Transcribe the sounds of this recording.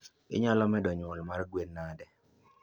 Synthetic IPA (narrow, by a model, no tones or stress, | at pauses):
ɪ̰ɲɔlɔmɛdɔɲʊlmarɡwenːadɛ